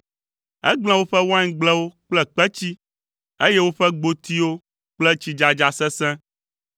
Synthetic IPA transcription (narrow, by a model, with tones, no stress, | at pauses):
ɛ̰˦ɡ͡bl̃ɛ̃˨wo˦ɸɛ˦wã˦ɲ˦ɡ͡blɛ˦wo˦k͡plɛ˦k͡pɛ˦t͡ɕi˦ | e˦je˦wo˦ɸɛ˦ɡ͡bo˨t̪i˦wo˦ | k͡plɛ˦t͡ɕi˦d͡ʒa˨d͡ʒa˨sɛ̃˦sɛ̃˦